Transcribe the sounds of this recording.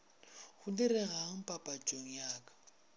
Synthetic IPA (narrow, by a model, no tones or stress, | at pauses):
ɣʊdiɾɛɣaŋ̩pʼapʼat͡ʃʼoŋ̩jaːkʼḁ